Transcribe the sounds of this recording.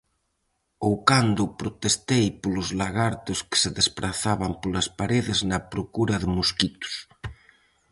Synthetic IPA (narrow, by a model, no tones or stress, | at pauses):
owkand̪ʊpɾot̪est̪ejpolʊzlaɣaɾt̪ʊskɪ̥seðespɾʔaθaβampolɐspaɾeðɪznɐpɾokuɾɐðɪmuskit̪ʊ̥s